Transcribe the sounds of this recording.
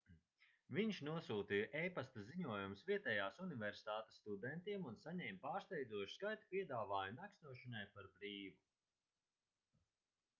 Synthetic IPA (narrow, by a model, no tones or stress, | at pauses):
viɲʃnuɔsuːt̪ijʔɛjpast̪aziɲuɔjumsvʲiɛt̪ɛjaːsunivɛɾsi̥t̪aːt̪e̥sːt̪ud̪ɛnt̪iɛmunsaɲɛːmʲpaːɾst̪ɛjd̪uɔʃu̥skajt̪u̥pʲiɛd̪aːvaːjunaksnuɔʃanajpaɾbɾiːvu